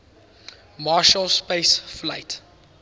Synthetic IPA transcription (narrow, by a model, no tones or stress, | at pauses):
mɑːʃəlˠspeɪsflaɪt